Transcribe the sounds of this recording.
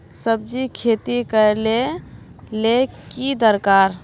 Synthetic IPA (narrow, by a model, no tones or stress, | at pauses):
səb̚d͡ʒikʰeːt̪ikəle | lekid̪əɾkaːɾ